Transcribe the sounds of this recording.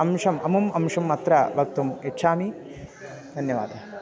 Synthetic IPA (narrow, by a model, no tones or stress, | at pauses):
ɐmʂɐmɐmumɐmʂɐmːɐt̪ɾɐbʱɐk̚t̪umeʈːʃʰaːmi | d̪ʱɐnjɐʋa̰ːd̪ʱɐ